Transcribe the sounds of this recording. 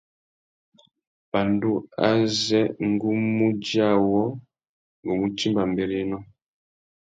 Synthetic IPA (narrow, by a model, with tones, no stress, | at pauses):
b̥a˨ndu˦a̰˦zɛ˦ŋ˦ɡu˦mu˦d͡ʒa˦˨wɔ˦ | ŋɡɔ˨mu˨t͡ʃi˦mba˨mbɛ˨ɾi˦nɔ˦